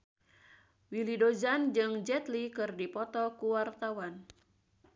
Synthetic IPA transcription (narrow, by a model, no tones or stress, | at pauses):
wilidod͡ʒand͡ʒɨŋd͡ʒɛt̪likɨrdipɔt̪ɔkuwart̪awan